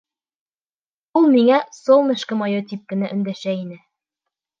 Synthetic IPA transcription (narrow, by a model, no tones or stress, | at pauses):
ulˠmiŋæsolˠmɘ̆ʃkɘ̆mɑjot̪ʲip̚kɘ̆næʔɵ̆nd̪æʃæinɘ